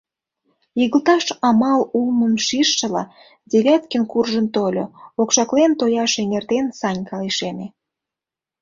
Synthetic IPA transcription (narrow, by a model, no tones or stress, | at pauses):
jiɣəlt̪ɑʃɑmɑlulməmʃiʃːə̆lɑ̰ | d̪ʲeβʲæt̪kənkurʒənt̪olʲo̰okʃɑklent̪ojɑʃeŋert̪ensɑnʲkɑliʃeme